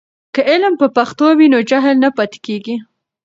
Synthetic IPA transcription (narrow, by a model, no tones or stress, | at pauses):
kəɪlmpəpaxt̪owinod͡ʒaɦɪlnapat̪ɪ̥keɡi